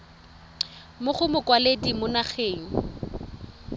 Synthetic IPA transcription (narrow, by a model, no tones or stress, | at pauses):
mʊχʊmʊkʼwaledimʊnaχʰeːŋ̩